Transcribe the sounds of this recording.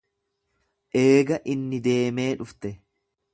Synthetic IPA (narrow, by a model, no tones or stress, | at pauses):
ʔeːɡɐʔɪnːɪd̪e̞ːme̞ːᶑʊft̪ɛ